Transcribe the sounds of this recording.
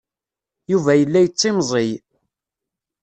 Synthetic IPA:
juvæjəlːæjət͡sˤːimzˤɪj

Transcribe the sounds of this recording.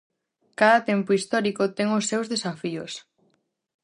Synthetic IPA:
kaðat̪ɛmpʊist̪ɔɾikot̪ɛŋosːewzðesafio̰s

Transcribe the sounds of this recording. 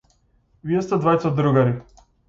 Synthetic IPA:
viɛst̪ɛd̪vajt̪sad̪ɾuɡaɾi

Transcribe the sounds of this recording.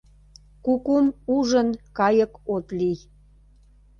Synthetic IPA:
kukumuʒənkɑjəkot̪lij

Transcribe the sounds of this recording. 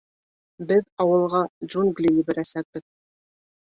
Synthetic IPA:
bɘðɑwɤ̆lˠʁɑd͡ʒunɡlʲijibɘ̆ɾæsæk̚bɘð

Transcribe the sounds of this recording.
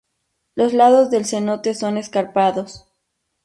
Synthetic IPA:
lo̞zlað̞o̞zðe̞lse̞not̪e̞so̞ne̞skaɾpaðo̞s

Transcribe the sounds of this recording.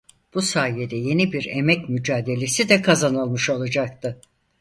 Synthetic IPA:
b̥usaːjed̪ɛje̞nibiɾemɛcmyd͡ʒaːd̪e̞lʲe̞sid̪ɛkʰazanɯlˠmɯʃo̞lˠad͡ʒak̚t̪ʰɯ

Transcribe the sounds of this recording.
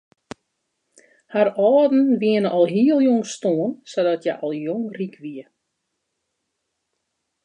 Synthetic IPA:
harɔːdn̩ʋiənəʔɔlˠɦiəlˠjoŋstoːənsɔdɔtʰja̰ʔɔlˠjoŋrikʰʋiə

